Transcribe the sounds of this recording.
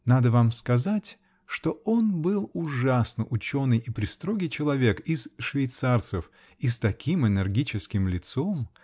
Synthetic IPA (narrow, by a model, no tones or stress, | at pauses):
nad̪əvamskɐzatʲ | ʂt̪o̞o̞nbɨlˠʊʐasnəʔʊt͡ɕo̞nɨjʔɪpɾʲɪst̪ɾo̞ɡʲɪjt͡ɕɪlˠɐvʲe̞kɪsʂvʲɪjt̪sart̪səf | ist̪ɐkʲimɨnʲɨrɡʲit͡ɕɪskʲɪmlʲɪt̪so̞m